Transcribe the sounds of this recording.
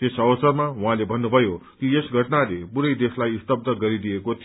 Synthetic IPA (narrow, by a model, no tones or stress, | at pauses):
t̪esʌwʌsʌrmawuɦãlebʱʌnːubʱʌjokiesɡʱʌʈnalebuɾʌjd̪eslajst̪ʌb̚d̪əɡʌɾid̪ijekot̪ʰ